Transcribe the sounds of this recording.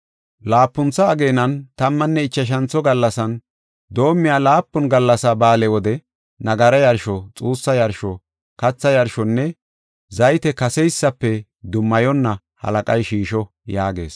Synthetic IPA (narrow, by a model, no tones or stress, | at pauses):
laːpːʊnt͡sːɐːɡeːnɐnt̪ɐmːɐnːɛɪt͡ʃːɐʃ̬ɐnt͡sːɔɡɐlːɐsɐn | d̪o̞ːmːɪjaːlaːpːʊnɡɐlːɐsabaːlɛwɔd̪ɛ | nɐɡɐɾɐjɐɾʃɔt͡sʼuːsːɐjɐɾʃɔ | kɐt͡sːɐjɐɾʃɔnːɛ | zɐjt̪ɛkɐsɛjsːɐpːɛ | d̪ʊmːɐjɔnːɐ | hɐ̰lɐkʼɐjʃiːʃɔ | jaːɡe̞̰ːs